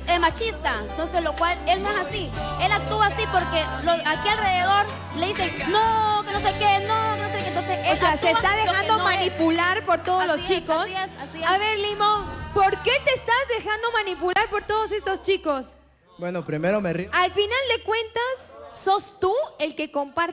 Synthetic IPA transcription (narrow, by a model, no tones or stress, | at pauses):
elmat͡ʃist̪aent̪onsezlokwalelnanasielak̚t̪uasipoɾke | loakialreðeðo̞ɾ | leðisenonosekenonoseent̪onsesoseaset̪aðexand̪omanipulaɾpo̞ɾt̪o̞ðolost͡ʃikosssiaβe̞ɾlimõ̞npo̞ɾke̞t̪e̞ːst̪azðe̞xand̪o̞manipulaɾpoɾt̪o̞ð̞ose̞st̪ost͡ʃiko̞s | bwenopɾimeɾomerialfinald̪e̞kwe̞nt̪asːo̞st̪ue̞lke̞ko̞mpaɾ